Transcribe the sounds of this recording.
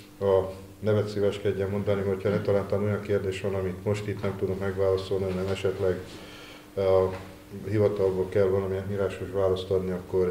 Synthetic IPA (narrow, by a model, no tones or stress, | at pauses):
ɒ | nɛvɛt̪siːvɛʃkɛɟːɛmo̞nd̪ɒnio̞cʰhɒnɛt̪ɒlaːnt̪ɒːno̞jɒŋkeːrd̪eːʃʋɒnɒmit̪mo̞ʃt̪it̪nɛmt̪ud̪okmɛɡʋaːlɒso̞lniɒnːɛmɛʃɛt̪lɛɡ | hivɒt̪ɒlbolkɛlvɒlɒmiɛnmiɾaːʃoʃʋaːlɒst̪ɒd̪niɒkːo̞r